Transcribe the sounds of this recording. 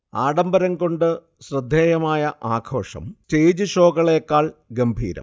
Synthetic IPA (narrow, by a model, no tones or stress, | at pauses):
aːɽɐmbɐɾɐŋko̞ɳɖɨ | ɕrɐd̪ʱːjeːjɐmaːjɐʔaːɡʰʱo̞ːʂɐ̰mt͡ɕejd͡ʑɨɕo̞ːɡɐɭeːkːaːɭɡɐmbʱḭːɾɐ̰mm